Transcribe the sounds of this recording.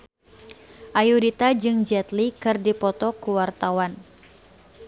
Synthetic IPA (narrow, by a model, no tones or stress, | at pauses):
ʔajudit̪ad͡ʒɨŋd͡ʒɛt̪likɨrdipɔt̪ɔkuwart̪awan